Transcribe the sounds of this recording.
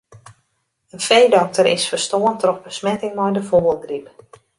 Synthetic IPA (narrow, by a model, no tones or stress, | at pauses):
ənfejdɔk̚təɾɪ̰sfərstoəntrɔxbəsmɛtɪŋmɔjdəfoːəlˠdrip